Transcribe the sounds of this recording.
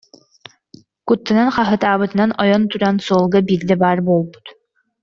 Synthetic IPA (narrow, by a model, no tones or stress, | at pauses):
kut̪ːananχaɦɯt̪aːbɯt̪ɯnanɔjɔnt̪uɾansuɔlˠɡabiːɾd̪ɛbaːɾboːlˠbu̥t̪